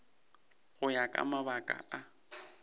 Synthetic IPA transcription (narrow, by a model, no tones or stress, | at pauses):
ɣʊjakʼa̰maβakʼa̰ʔa